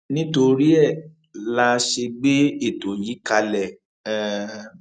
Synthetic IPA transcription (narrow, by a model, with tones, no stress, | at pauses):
nĩ˦to˧ɾi˦ɛ˦˨ | la˧ʃe˧ɡ͡be˦e˦˨to˨ji˨˦ka˧lɛ˦˨